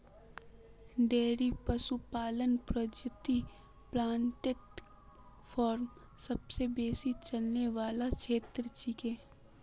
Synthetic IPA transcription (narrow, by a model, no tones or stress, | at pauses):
ɖeːɾipəsupaːlənpɾod͡ʒət̪i | plãːɳʈeʈ | pʰɔːɾm | sɐbsebeːsit͡ʃɐlneʋaːlat͡ʃʰeːt̪ɾət͡ʃikẽː